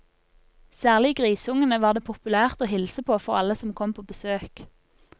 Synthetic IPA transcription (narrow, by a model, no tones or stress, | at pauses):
sæːʁlɪɡʁiːsʊŋənəʋɑːʁd̪eːpʰʊpʉlæːʁt̪oːhɪlsəpʰoːfɔʁɑ̰ləsɔmkʰɔmpʰoːbəsøːk